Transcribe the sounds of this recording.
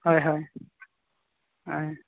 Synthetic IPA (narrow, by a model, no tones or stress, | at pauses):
hɔjɦɔj | ɦɔj